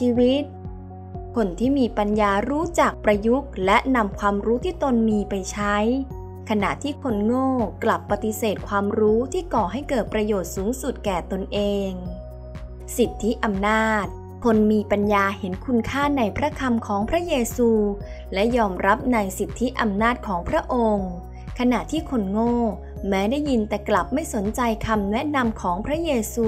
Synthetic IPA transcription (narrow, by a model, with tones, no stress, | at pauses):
t͡ɕʰiː˧wi˦˥t̪̚ | kʰo˧nt̪ʰiː˥˩miː˧pa˧njaː˧ɾuː˦˥t͡ɕa˨˩k̚pɾa˧ju˦˥k̚lɛ˦˥ʔna˧mkʰwaː˧mɾuː˦˥t̪ʰiː˥˩t̪o˧nmiː˧pa˧jt͡ɕʰa˦˥j | kʰa˧na̰˨˩ʔt̪ʰiː˥˩kʰo˧nŋoː˥˩kla˨˩pːa˧t̪i˧˦seː˨˩t̪̚kʰwaː˧mɾuː˦˥t̪ʰiː˥˩kɔː˨˩ɦa˥˩jkɤː˨˩t̪̚pɾa˧joː˨˩t̪̚suː˩˦ŋsu˨˩t̪̚kɛː˨˩t̪o˧nʔeː˧ŋ | si˨˩t̪ʰːi˦˥ʔa˧mnaː˥˩t̪̚ | kʰo˧nmiː˧pa˧njaː˧he˩˦nkʰu˧nkʰaː˥˩na˧jpʰɾa˦˥kʰa˧mkʰɔː˩˦ŋpʰɾa˦˥jeː˧suː˧ | lɛ˦˥jɔː˧mɾa˦˥p̚na˧jsi˨˩t̪ʰːi˦˥ʔa˧mnaː˥˩t̪̚kʰɔː˩˦ŋpʰɾa˦˥ʔo˧ŋ | kʰa˧na˨˩ʔt̪ʰiː˥˩kʰo˧nŋoː˥˩ | mɛː˦˥daː˥˩jːi˧nt̪ɛː˨˩kla˨˩p̚ma˥˩jso˩˦nt͡ɕa˧jkʰa˧mnɛ˦˥ʔna˧mkʰɔː˩˦ŋpʰɾa˦˥jeː˧suː˧